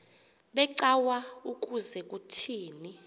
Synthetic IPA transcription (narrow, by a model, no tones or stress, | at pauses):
ɓɛǀawaukʼuzɛkʼutʰiːni